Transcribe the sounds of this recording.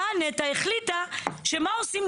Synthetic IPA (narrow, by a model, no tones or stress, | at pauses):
anet̪aeχlit̪aʃe̞mao̞sim